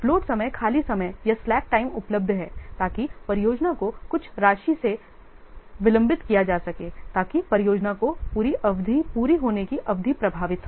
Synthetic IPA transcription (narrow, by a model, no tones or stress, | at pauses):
floːʈsɐməjkʰaːlisɐməjjɐslɛːk̚ʈaːɪmʊpləb̚d̪ʱɦɛːt̪aːkipɐɾɪjoːd͡ʒnakokʊt͡ʃʰɾaːʃise | ʋɪlɐ̃mbɪt̪kijad͡ʒaːsɐkeːt̪aːkipɐɾɪjoːd͡ʒnakopuːɾiʔɐʋd̪ʱipuːɾiɦoːnekiʔɐʋd̪ʱipɾɐbʱaːʋɪt̪sɐ